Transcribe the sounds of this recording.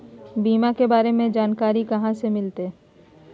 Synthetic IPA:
biːmakebaːɾemẽd͡ʒaːnkaːɾikɐɦãsemɪlt̪eː

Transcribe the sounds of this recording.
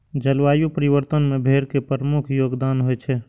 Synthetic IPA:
d͡ʒəlʋajupəɾiʋəɾt̪ənmebʱeɾkepɾəmukʰjoɡd̪anɦojt͡ʃʰɛ

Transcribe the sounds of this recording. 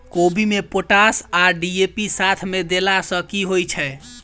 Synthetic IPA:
kobimepoʈasaɖiepisat̪ʰmed̪elasə̃kiɦojt͡ʃʰɛ

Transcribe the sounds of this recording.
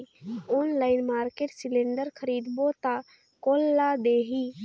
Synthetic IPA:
oːnlaːɪnmaːɾkeːʈsɪlẽːɳɖəɾkʰəɾiːd̪bot̪a | koːlːad̪eːɦi

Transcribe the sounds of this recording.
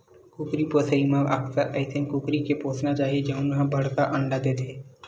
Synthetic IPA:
kʊkɾipoːsəimãɐ̰ksəɾa̰ɪt̪ʰɪ̃ŋkːukɾikepoːsnat͡ʃaːɦied͡ʒɐɦũnɦãbʱɐɽ̤t̪aʔɐ̃ɳɖad̪eːt̪ʰeː

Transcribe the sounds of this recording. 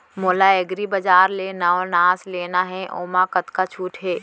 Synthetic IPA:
moːlaeɡɾibəd͡ʒaːɾleːnaonaːsleːnaɦɛʔoːmãkət̪kat͡ʃʰuːʈɦɛː

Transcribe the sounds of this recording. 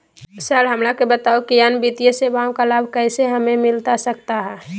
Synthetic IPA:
sɛlɦəmɾakebət̪aokijanbit̪ijesebaõkalaːbʱkɛɪseɦəmẽmɪlt̪asək̚t̪aɦɛː

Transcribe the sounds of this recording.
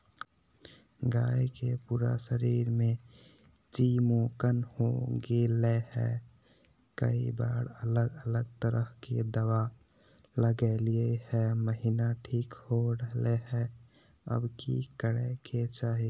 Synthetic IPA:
ɡaːjkepuːɾa̰səɾiːɾmẽ | t͡ʃimokənhoɡelehɛ̰ | kə̰ibaːɽələɡələɡt̪əɾəhked̪əwa | ləɡɛliehɛməɦinaʈʰiːkhoɾəɦleɦɛ | ə̰bkḭkəɾɛkʰet͡ʃaːɦi

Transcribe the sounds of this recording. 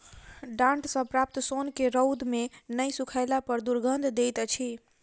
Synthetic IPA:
ɖãɳʈsə̃pɾap̚t̪sonkeɾəwd̪menəjsukʰajlapəɾd̪uɾɡʱənd̪d̪ejt̪t͡ʃʰi

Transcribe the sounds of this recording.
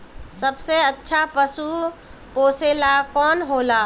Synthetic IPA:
səbseətːʃʰapəsupoːselakɔːnɦoːlaː

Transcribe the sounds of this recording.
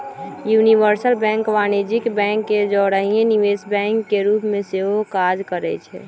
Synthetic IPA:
juːniʋəɾsəlbɛ̃ːŋkʋaːned͡ʒɪkbɛ̃ːŋkːed͡ʒɔɾəɦiẽniʋeːsbɛ̃ːŋkːeɾuːpmẽseɦokaːd͡ʒkəɾɛ̰t͡ʃʰɛ̰

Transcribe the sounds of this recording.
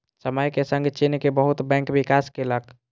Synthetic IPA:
səməjkesəŋɡt͡ʃinkebəɦut̪bɛ̃kbikaskelək

